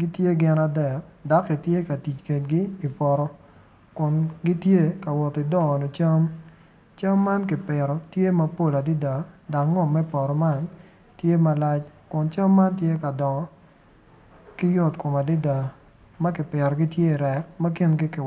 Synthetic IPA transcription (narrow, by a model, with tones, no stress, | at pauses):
ɡi˦tje˦ɡɪ˦na˦dɛ˦˨k̚da˨˦kːi˨tje˦ka˨ti˨t͡ʃke˨t̚ɡi˦i˨pɔ˨ɾɔ˦ | kʊ˨nɡi˦tje˦ka˨wɔ˨ti˨dɔ˦˨no˨t͡ʃa˦m | t͡ʃa˦mːa˦nkɪ˨pɪ˨ɾɔ˨tje˦mɐ˨po˦˨la˨di˦da˨da˨kŋːɔ˦˨mɛ˦pɔ˨ɾɔ˨ma˦n | tje˦ma˨la˦t͡ʃkʊ˨nt͡ʃa˦mːa˦ntje˦ka˨dɔ˨ɔ˨ | kɪ˦jʊ˦tkʊ˨ma˨dɪ˦da˨ | mɐ˦kɪ˨pɪ˨ɾɔ˨ɡɪ˦tje˦i˨ɾɛ˨k̚mɐ˦kɪ˦nɡɪ˦kɪ˨